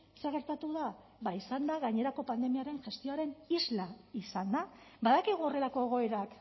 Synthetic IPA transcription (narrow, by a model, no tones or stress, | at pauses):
seɣe̞ɾt̪at̪uða | βaisand̪aɣaɲe̞ɾako̞pand̪e̞miaɾe̞nʝe̞st̪io̞aɾe̞nizlaisand̪abaðakiɣuo̞re̞lako̞eɣ̞o̞eɾak